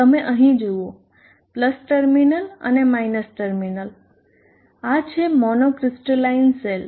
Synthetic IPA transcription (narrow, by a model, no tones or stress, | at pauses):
t̪əmeʔəɦĩd͡ʒuo | pləsʈəɾminələ̰nemajnəsʈəɾminəl | at͡ʃʰemɔnokɾɪsʈəlainsel